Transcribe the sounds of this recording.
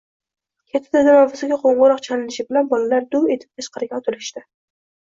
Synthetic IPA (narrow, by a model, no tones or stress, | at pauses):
kʲʰat̪ʰːɪd̪ɪd̪amavɪsɪɡʲaqʰoɴʁʊɾɒqt͡ʃʰalɪnɪʃɪbɪlanbɒlalaɾd̪ʊwe̞t̪ʰɪ̥p̚t̪ʰaʃqʰɑɾɡʲaɒt̪ʰʊlɪʃt̪ɪ